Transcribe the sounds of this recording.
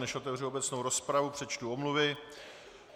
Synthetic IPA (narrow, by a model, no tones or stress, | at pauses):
nɛʃʔo̞t̪ɛvr̝ɪo̞bɛt͡sno̞wɾo̞spɾavupr̝̥ɛt͡ʃt̪uo̞mluvɪ